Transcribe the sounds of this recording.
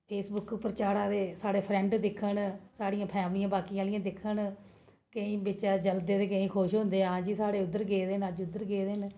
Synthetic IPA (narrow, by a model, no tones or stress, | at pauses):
pʰeːsbʊkpɾət͡ʃaːɾãːd̪eːsaːɽeːpʰɾɛ̃ːɳɖd̪ɪkʰːənsaːɽijãːpʰɛːmɽɪjãːbaːkiːaːlɪjãːd̪ɪkʰːən | kəĩːbɪt͡ʃaːd͡ʒəld̪eːt̪eːkəĩːkʰoːʃɦʊ̃nd̪eːãːd͡ʒiːsaːɽeːʊd̪ːəɾɡeːd̪enəd͡ʒʊd̪ːəɾɡeːd̪eːn